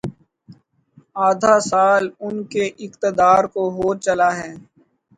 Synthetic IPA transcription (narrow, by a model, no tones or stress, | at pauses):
aːd̪ʱasaːlʊnkeʔɪqt̪əd̪aːɾkoɦoːɾt͡ʃɐlaɦɛː